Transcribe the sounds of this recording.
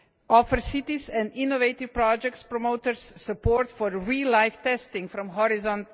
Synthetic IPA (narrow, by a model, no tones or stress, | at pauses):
ɔfəɾsit̪isɛ̃nd̪inɔʋeɪt̪iʋpɾɔd͡ʒɛktspɾɔmoʊt̪əɾsːupɔɾt̪fɔɾɹilaɪft̪ɛst̪ɪ̃ŋfɾɔ̃mɦɔɾizɔ̃nt